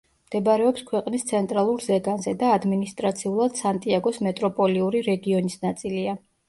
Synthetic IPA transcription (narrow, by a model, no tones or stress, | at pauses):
md̪̥ɛbaɾɛɔpskʰwɛqʼnist̪sʰɛnt̪ʼɾalˠuɾzɛɡanzɛd̪aːd̪minist̪ʼɾat̪sʰiulˠad̪̥sant̪ʼiaɡɔsmɛt̪ʼɾɔpʼɔliuɾiɾɛɡiɔnisnat̪sʼilia